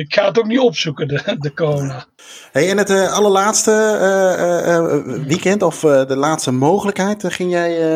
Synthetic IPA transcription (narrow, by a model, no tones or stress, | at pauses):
ɪkxaːətok̚nitɔpsukəədəkoːna | ɦejɛnətɑləɹlaːtstə | ʋikɛntɔfdəlaːtstəmowχələkɦɛjtχɪŋjɛj